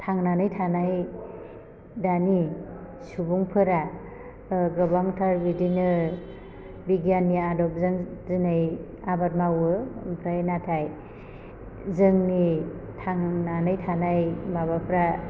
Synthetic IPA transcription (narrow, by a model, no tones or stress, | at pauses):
tʰaŋnanɯjtʰanaj | dani | subuŋpʰɯɾa | ɡɾɔbaŋtʰaɾbidinɯ | biɡjanːiadɔp̚zɯŋzɯnɯj | abat̚mawɯmpʰɾajnatʰaj | zɯŋnitʰaŋnanɯjtʰanajmaβapʰɾa